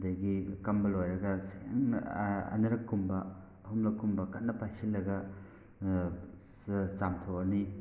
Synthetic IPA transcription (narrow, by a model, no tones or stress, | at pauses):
dɐjɡikɐmbɐlojɾɐɡɐseŋɐ̰nɐɾɐkːumbɐː | ɦumlɐkːumbɐkɐtnɐpajsilːɐɡɐ | samtʰoɐni